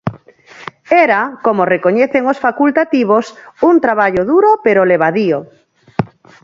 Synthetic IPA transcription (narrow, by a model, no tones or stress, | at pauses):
ɛɾakomorekoɲeθeŋosfakult̪at̪iβ̞osunt̪ɾaβaʎoðuɾopeɾoleβaðio